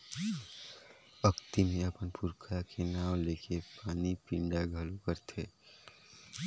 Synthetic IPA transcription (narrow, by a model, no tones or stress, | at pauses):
əkt̪imẽəpənpʊɾkʰakenaːwleːkʰepaːnipĩɳɖaɡʱəlokəɾt̪ʰeː